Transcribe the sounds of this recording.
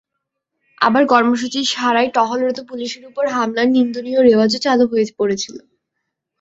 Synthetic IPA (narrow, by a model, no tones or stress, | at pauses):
a̰baɾkɔɾmoʃ̬ut͡ɕiʃaɾajʈɔɦolɾot̪opuliʃeɾupoɾɦamlaɾnind̪unioɾebad͡ʑot͡ɕalopɦoje̥poɾet͡ɕʰilo